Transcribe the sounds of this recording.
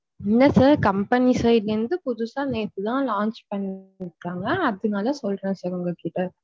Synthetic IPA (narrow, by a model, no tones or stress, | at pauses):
ɪnːɐsaːɾkɐmpɐnisɐjɪlɐɯnd̪ɯpʊðʊsãːneːt̪ːɯt̪ãːlãːnt͡ʃpɐɳːɪɾɯkːaːŋɡɐːðɯnaːlɐsɔlɐ̃saːɾɔŋɡɐkiːʈːɐ